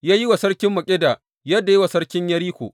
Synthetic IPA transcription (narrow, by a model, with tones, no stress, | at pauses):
jaː˦ji˦wa˨sɐ˦ɽkʲɪ˦mːɐ˨kʲʼɪ˦da˨ | jɐ˦dːa˨ji˦wa˨sɐ˦ɽkʲɪ˦ɲjɐ˦ɾiː˦kʷo̰˨ʔ